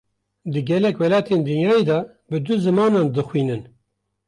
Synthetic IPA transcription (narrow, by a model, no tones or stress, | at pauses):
d̪ɨɡɛlɛkwɛlɑːt̪ʰeːnd̪ɨnjɑːed̪ɑː | bɨd̪ʊzɨmɑːnɑːnd̪ɨxwiːnɨn